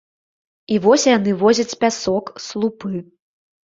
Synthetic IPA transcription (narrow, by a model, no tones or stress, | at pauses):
ivɔsʲjanɨvɔzʲɐt͡sʲpʲasɔkslˠupɨ